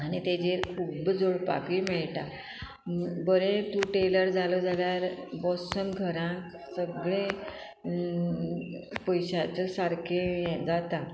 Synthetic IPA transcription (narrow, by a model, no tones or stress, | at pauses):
añit̪ed͡ʑeɾkʰuːbd͡zoɭpa̰kʋimɛɭʈa | bəɾẽt̪ũʈeləɾd͡zʱalod͡zaljaɾbɔsənɡʱəɾãk | səɡɭẽ | pəjɕat͡səsaɾkʰed͡zat̪a